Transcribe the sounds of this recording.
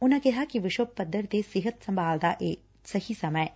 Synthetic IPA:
ʊnãkɛɦakiʋɪʃwəb̚pɐd̪ʱːəɾt̪esɪɦət̪sɐ̃mbʱaːld̪aʔeː | sɐhisɐməj

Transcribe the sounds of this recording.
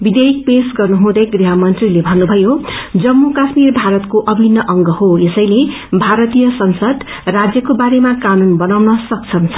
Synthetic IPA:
bid̪eik̚pesɡʌrnuɦũd̪ʌjɡriɦʌmʌnt̪rilebʱʌnːubʱʌjod͡zʌmːukasmirbʱaɾʌt̪koʔʌbʱinːʌʔʌŋɡʌɦoesʌjle | bʱaɾʌt̪ijʌsʌnsʌd̪ | rad͡zjʌkobaɾemakanunbʌnawnʌsʌk̚t͡sʰʌnt͡sʰʌ̥

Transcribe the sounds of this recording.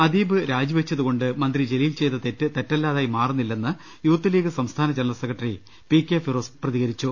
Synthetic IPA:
ɐd̪iːbɨɾaːd͡ʑiʋet͡ɕːɐðuɣo̞ɳɖɨmɐnd̪rid͡ʑe̞lijlt͡ɕe̞jt̪ːɐt̪etːɨt̪etːɐlːaːðaːjmaːrunːilːe̞nːɨ | juːt̪ːɐliːɡɨsɐmst̪ʰaːnɐd͡ʑenɐlɐsekːɐʈːɐri | pikːefiroːsprɐðiɣɐɾit͡ɕːu

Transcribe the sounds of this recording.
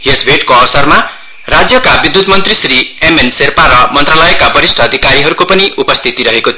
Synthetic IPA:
ɦesbʱeʈkoʌwʌsʌrma | rad͡zjʌkabid̪ːut̪mʌnt̪risriemenserpaɾʌmʌnt̪ralʌjekabʱʌɾisʈʰʌːd̪ʱikaɾiɦʌɾukopʌniʔupʌst̪ʰit̪iɾʌɦekot̪ʰ

